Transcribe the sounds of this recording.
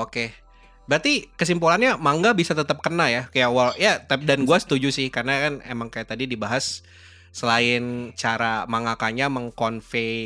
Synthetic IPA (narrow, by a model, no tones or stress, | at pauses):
oke | bɾat̪ikəs̬impulanɲamaŋɡabisat̪ət̪əp̚kənajakajawaljat̪ɛp̚danɡuasə̥t̪ud͡ʒusɪhkarnakanḛmaŋkajaʔt̪adidibaɦasː | əlaɪnt͡ʃaɾamaŋakaɲaməŋkɔnfe